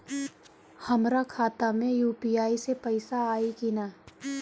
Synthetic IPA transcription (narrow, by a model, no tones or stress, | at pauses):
hɐmɾakʰaːt̪amẽjuːpijaːisepɐɪsaaːikinaː